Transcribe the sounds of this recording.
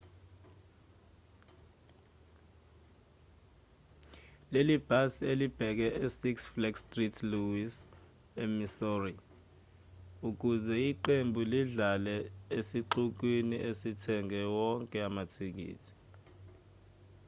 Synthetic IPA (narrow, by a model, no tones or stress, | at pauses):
lelib̥ʱasielib̥ʱɛk̬ɛʔesiksflɛkstritʰluwis | ɛmisɔri | uk̬uzɛiǃembʱuliɮalɛesiǃuk̬winiʔesitʰɛŋʱɛwɔŋkʼɛamatʰik̬ḭːtʰi̥